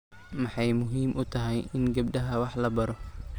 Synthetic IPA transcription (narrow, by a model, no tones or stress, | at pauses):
mɑħɑjmʊɦiːmʔʊt̪ʰɐɦɛjɪnɡɐb̚ɖɐɦɐwɑħlɐbɐɾɔ